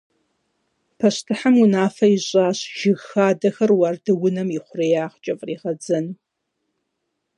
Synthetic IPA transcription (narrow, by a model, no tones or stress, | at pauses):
pʰɐɕtʰɨħamwʊnaːfɐiɕʼaːɕʒ̥ɪɣxaːdɐxɐrwardɨwʊnɐmiχʷʊrejaːʁt͡ʃʼɐfʼriːʁɐd͡zɐn